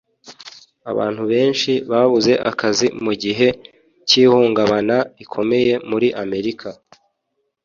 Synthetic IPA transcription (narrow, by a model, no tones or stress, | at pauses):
a̰βa̰ːn̥huβe̞ːnʃiβaβuze̞ʔakʰazimuɟiɦe̞ | ciːhuːŋɡaβanaikʰo̞me̞je̞muɾiʔame̞ɾikʰa